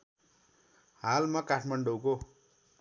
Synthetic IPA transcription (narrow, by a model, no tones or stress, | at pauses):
halmʌkaʈʰmaɳɖowko